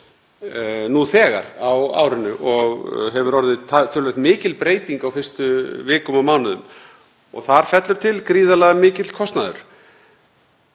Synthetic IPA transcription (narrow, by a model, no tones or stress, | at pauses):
nuθɛːɣa̰ɾawa̰ːwɾɪnːʏʔɔɣɦɛvʏɾɔɾðɪt̪ʰat̪ʰːʏlvɛθt̪mɪːcɪlpɾeːjt̪iŋkawfɪrst̪ʏvɪːkʏmawmaːwnʏðʏ̰m | ɔ̰ɣθaɾ̥fɛt̪lʏɾ̥t̪ʰɪlkɾiːðalɛɣamɪːcɪt̪l̥kʰɔst̪naðʏ̰ɾ̥